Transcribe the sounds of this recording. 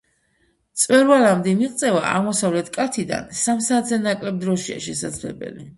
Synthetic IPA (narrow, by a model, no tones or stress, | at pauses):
t̪sʼwɛɾvalamd̪ɛmiʁt̪sʼɛva̰ʔa̰ʁmɔsavlɛt̪ʰkʼat̪ʰid̪a̰nsamsaːt̪ʰzɛnakʼlɛb̚d̪ɾɔʃia̰ʃɛsad̪zlɛ̰bɛ̰li